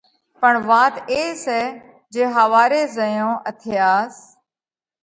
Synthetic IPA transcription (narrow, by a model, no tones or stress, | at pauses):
pəɳʋaːt̪eːsɛː | d͡ʒeːɦəʋaːɾeːzəjõːʔət̪ʰɪjaːs